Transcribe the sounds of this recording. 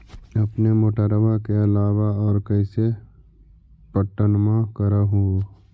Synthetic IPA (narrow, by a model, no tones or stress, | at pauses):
ɐpnemoːʈəɾəʋakeɐlaːwaɔːɾkəɪse | pəʈːənmãkəɾaɦũ